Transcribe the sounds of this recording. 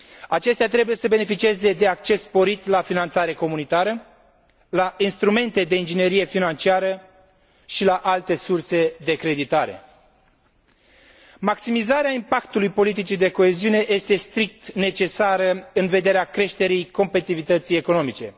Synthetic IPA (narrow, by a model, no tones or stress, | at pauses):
at͡ʃe̞st̪eat̪ɾe̞buje̞səbe̞ne̞fit͡ʃieze̞d̪e̞ak̚t͡ʃe̞sːpo̞ɾit̪lafinant̪saɾe̞ko̞munit̪aɾə | laʔinst̪ɾume̞nt̪e̞d̪e̞ind͡ʒine̞ɾije̞finant͡ʃiaɾə | ʃilaʔalt̪e̞surse̞d̪e̞kɾe̞d̪it̪aɾe̞̰ | maksimizaɾeaimpakt̪ulujpo̞lit̪̬it͡ʃid̪e̞ko̞e̞ziune̞ʔje̞st̪e̞st̪ɾik̚t̪ne̞t͡ʃe̞saɾəɨnve̞d̪e̞ɾeakɾe̞ʃt̪e̞ɾijko̞mpet̪it̪ivit̪ət̪sije̞ko̞no̞mit͡ʃe̞